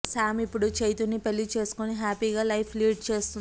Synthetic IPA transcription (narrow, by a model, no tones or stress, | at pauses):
saːmipːuɽut͡ʃejt̪unːipelːit͡ʃe̞ːsu̥koniɦaːpiːɡaːlɐjpʰliːɖ̚t͡ʃe̞ːst̪u